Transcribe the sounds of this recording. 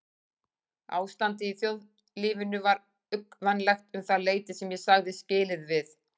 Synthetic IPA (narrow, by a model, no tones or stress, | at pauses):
a̰ːwst̪ant̪ɪiθjowð | liːvɪnʏvaɾ | ʏkvɛnːlɛxt̪ʏmθaleːjt̪ɪsɛmjɛsaɣðɪscɪːlɪðvɪθ